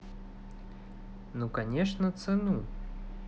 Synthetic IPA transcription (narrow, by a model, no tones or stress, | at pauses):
nukanʲɛʂnɐt̪sɛnu